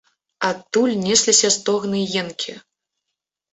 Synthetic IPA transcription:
at̪ːulʲnʲɛsʲlʲisʲɐst̪ɔɣnɨjɛnkʲʰi

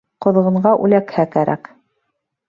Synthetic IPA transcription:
qŏð̆ʁɤ̆ɴɢɑʔʉlækhækæɾæ̰k

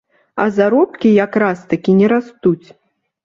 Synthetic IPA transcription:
ɐ̰zaɾɔpkʲijakɾast̪akʲinʲɛɾast̪ut͡sʲ

